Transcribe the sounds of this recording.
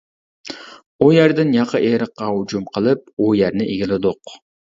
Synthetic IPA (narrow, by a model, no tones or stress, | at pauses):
ujæɾd̪ɪnjɑqʰɑʔeɾəqːɑhʊd͡ʒumqʰəlˠɨp̚ujæɾnɪʔeɡʲilɪd̪ʊq